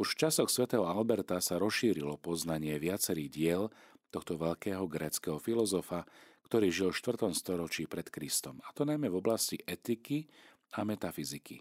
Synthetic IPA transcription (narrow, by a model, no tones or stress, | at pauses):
uʃft͡ʃasɔxsʋɛt̪ɛːɦɔalbɛɾt̪asaɾɔsʃiːɾilɔpɔznaɲɪɛʋɪat͡sɛɾiːɣɟɪɛl | t̪ɔxt̪ɔʋɛʎkɛːɦɔɡɾɛːt͡skɛɦɔfilɔzɔfakt̪ɔɾiːʒilfʃt̪ʋr̩t̪ɔmst̪ɔɾɔt͡ʃiːpɾɛt̪kɾist̪ɔmat̪ɔnajmɛvɔblasciʔɛt̪iki | amɛt̪afizikḭ